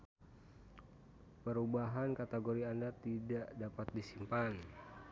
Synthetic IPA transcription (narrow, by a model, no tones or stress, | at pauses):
pəɾubaɦankat̪eɡoɾiandat̪idaʔdapat̪̚disimpan